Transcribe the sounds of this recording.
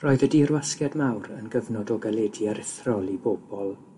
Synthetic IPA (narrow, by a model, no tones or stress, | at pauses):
rɔːɨðədirwaskjadmawɾə̰nɡəvnɔdɔɡalˠɛdiaɾɪθrɔlˠiboːb̥ɔlˠ